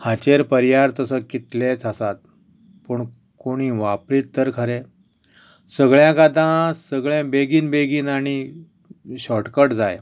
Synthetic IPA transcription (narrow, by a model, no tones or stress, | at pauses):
hat͡ɕeɾpəɾjaɾt̪əsəkit̪let͡sasat̪̚ | puɳ | koɽ̃iːʋapɾiːt̪ːəɾkʰəɾe | səɡɭjãɡad̪ãsəɡɭãbeɡiːnbeɡiːnaɽ̃i | ɕɔʈkəʈd͡zaj